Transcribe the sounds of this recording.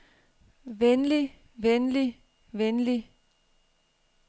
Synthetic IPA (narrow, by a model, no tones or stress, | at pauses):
ʋenli | ʋenli | ʋenli